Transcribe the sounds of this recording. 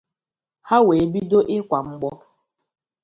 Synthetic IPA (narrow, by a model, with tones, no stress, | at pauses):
ha˦we˨bi˦do˦ʔɪ˦kʷa˨ŋ͡m̩˦ɡ͡bɔ˦